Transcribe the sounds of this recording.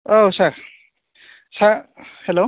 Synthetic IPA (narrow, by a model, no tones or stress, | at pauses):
owsa | sahelo